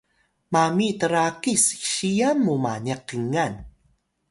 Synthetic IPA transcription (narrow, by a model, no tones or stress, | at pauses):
mamitəɾakiskɕijanmumanəqəŋan